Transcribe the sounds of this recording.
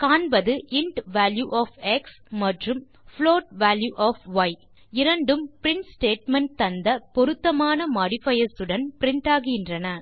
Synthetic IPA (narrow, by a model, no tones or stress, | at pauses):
kaːnbɐðɯʔɪɳʈʋaːljuʔaːfɛks | mɐʈrɯm | floːʈʋaːljuʔaːfʋɐɪ | ɪɾɐɳɖɯmpɪɾɪɳʈsʈeːʈmɐɳʈ̚t̪ɐnd̪ɐpɔɾɯt̪ːɐmaːnɐmɐɽɪfɐjɐsɯɽɐnpɪɾɪɳʈaːɣɪjɪndrɐnɐ